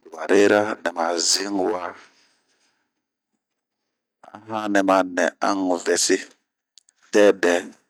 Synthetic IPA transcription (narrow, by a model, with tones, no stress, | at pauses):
dwa˨ɾʔe˦ɾa˦nɛ˨ma˨zi˦ŋ˨wa˦ | a̰˦ɦã˦nɛ˨ma˨nɛ˨a˦ŋ˨vɛ˨si˦ | tɛ˦bɛ˨˦